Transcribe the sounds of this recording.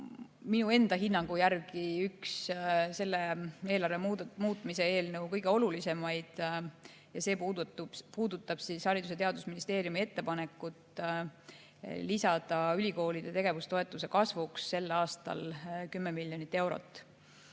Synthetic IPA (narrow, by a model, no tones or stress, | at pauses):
minue̞nd̪̥ɑɦinːɑŋɡ̥ujærkiyksse̞lːee̞ːlɑrveumuːt̪ːˑmise̞e̞ːlnɤwkɤjɡ̥e̞o̞lulise̞mɑjd̪̥ | jɑse̞ː | puːd̪̥ut̪ːˑɑb̥sishɑɾʲid̪̥uset̪e̞ɑd̪̥usminist̪e̞ːɾijumie̞t̪ːe̞pɑne̞kːˑut̪ˑ | lisɑd̪̥ɑylʲiko̞ːlid̪̥e̞t̪e̞ɡ̥e̞vust̪o̞e̞t̪ːˑuse̞kɑsvuksːe̞lːɑːst̪ɑ̰lkymːemiljo̞nit̪ːe̞wɾo̰t̪ːˑ